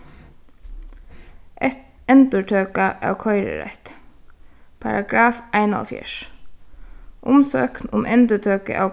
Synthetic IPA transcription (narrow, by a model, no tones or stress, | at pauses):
ʔɛt̪ | ɛnt̪əʈʰøːkaʔa̰ːwkʰɔʏɾə̰ɾɛ̰ht̪ | pʰa̰ɹaɡɾaːfæɪnɑ̰lfjɪ̰ʃ | ʔʊmsøːknʊmʔɛnt̪ət̪ʰøːkə̰ʔaːw